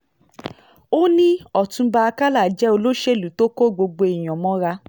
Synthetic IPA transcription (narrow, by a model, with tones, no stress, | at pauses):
o˦nĩ˦ɔ˨tũ˧ba˧a˧ka˦la˦˨d͡ʒɛ˨˦o˧lo˦ʃe˦˨lu˨˦to˦ko˦˨ɡ͡bo˧ɡ͡bo˧i˨j̃ɔ̃˨mɔ̃˦ɾa˧